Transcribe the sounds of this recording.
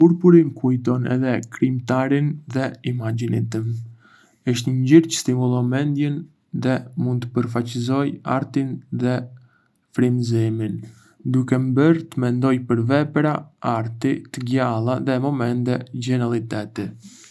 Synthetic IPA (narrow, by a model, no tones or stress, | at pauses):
uɾpuɾinkujt̪ɔnɛ̰ðɛkɾimt̪aɾinðɛimad͡ʑinit̪əm | əʃt̪əɲɟiɾcə̥st̪imulˠɔmɛnd̪jɛn | ðɛmund̪t̪əpəɾfat͡ɕizɔja̰ɾt̪inðɛ | fɾimzimin | d̪ukɛmbəɾt̪əmɛnd̪ɔjpəɾvɛpɾaaɾt̪it̪əɡjalˠaðɛmɔmɛnt̪ɛɟɛnalˠit̪ɛt̪ɛ